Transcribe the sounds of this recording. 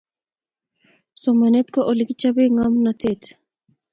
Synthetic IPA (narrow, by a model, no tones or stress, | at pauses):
somanet̪kɔʔolikit͡ʃabeŋamnatet